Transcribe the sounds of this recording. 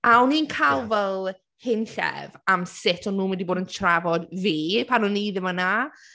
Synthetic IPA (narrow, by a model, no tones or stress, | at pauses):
awniːnkʰalˠvɛlˠ | hɪnɬɛ̰vamsɪtʰɔnːuːmɛndiboːdəntʰravɔdviːpʰanɔniðɪmana